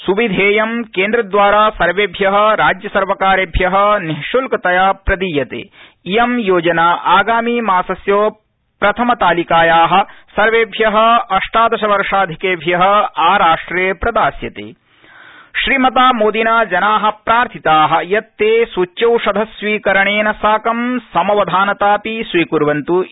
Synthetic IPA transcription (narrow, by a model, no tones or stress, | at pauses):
suʋid̪ʱeːjɐmkeːnd̪ɾɐd̪ʋaːɾaːsɐɾʋeːbʱjɐɦɐ̆ɾaːd͡ʒjɐsɐɾʋɐkaːɾebʱjɐɦɐ̆niɦʃulkɐt̪ɐjaːpɾɐd̪iːjɐt̪ḛː | ijɐmjoːd͡ʒɐnaːʔaːɡaːmiːmaːsɐsjoː | pɾɐt̪ʰɐmɐt̪aːlikaːjaːɦɐ̆sɐɾʋeːbʱjɐɦɐ̆ɐʂʈaːd̪ɐʃɐʋɐɾʂaːd̪ʱikeːbʱjɐɦɐ̆aːɾaːʂʈɾeːpɾɐd̪aːsjɐt̪ḛː | ʃɾiːmɐt̪aːmoːd̪inaːd͡ʒɐnaːɦɐ̆pɾaːɾt̪ʰit̪aːɦɐ̆jɐt̪ːeːsut͡ʃt͡ʃɐwʂɐd̪ʱɐsʋiːkɐɾɐɳeːnɐsaːkɐmsɐmɐʋɐd̪ʱaːnɐt̪aːpisʋiːkuɾʋɐnt̪u